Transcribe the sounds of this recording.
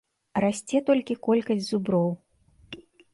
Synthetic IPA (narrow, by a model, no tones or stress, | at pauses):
rasʲt͡sʲɛt̪ɔlʲkʲikɔlʲkɐzʲdʲzubɾɔw